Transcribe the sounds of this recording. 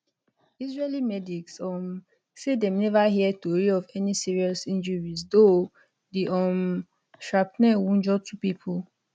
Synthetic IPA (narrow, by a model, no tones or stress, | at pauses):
izɹelimɛdiksɔm | sedɛ̃mnɛvaɦiɛtoɹiɔvɛnisiɹiɔsĩnd͡ʒəɹizdo | diʔɔ̃m | ʃɹapnɛ̃wũnd͡ʒɔtʰupipʰul